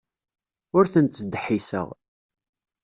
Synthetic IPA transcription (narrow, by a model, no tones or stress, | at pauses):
ʊɾθənt̪səd̪ħisə̰ʁ